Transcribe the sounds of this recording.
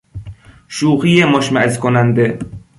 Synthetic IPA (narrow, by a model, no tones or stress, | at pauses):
ʃuːχijemɔʃmæʔzkʰonænd̪e